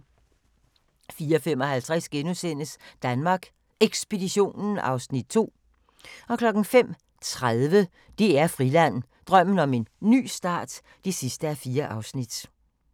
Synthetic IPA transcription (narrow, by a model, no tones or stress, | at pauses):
fiːɐɒfemɒ̽hælt͡sʰʁasɡ̥enusen̰əsd̥ænmɑ̈ːɡ̥ | eɡ̥sb̥e̝diɕo̝̰ːnn̩ɑ̈ʊsnid̥̚t͡sʰo̝̰ː | ɒ̽kʰlɒ̽ɡ̥n̩fem̰ | t͡sʰʁaðˠʋə | d̥e̝æɐfʁilæn̰ | d̥ʁɶm̰n̩ɒ̽me̝nːy̰ːsd̥ɑ̰̈ːd̥ | d̥e̝sisd̥əæfiːɐʔɑ̈ʊsnid̥